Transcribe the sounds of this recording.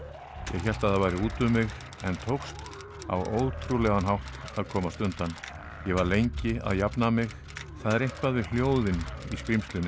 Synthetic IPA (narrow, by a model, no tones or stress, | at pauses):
jɛ̰ɣçɛl̥t̪aðavajɾɪuːt̪ʏmːɪɣ | ɛnt̪ʰowxst̪ | a̰wo̰wðt̪ʰɾulɛɣanɦawht̪aðkʰɔːmast̪ʏnt̪an | jɛɣvaɾlejɲcɪa̰ðjapnamɪɣ | θaðɾehpvaðvɪljoːwðɪniskɾimst̪lʏnɪ